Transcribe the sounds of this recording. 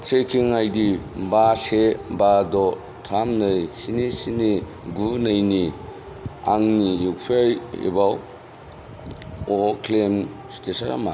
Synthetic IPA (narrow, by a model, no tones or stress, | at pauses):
tʰɾekʰiŋajdibasebadɔ | tʰamnɯjsinisini | ɡunɯjni | aŋnijupʰajḛbaw | ɔkʰlem | stʰesɔn̰ma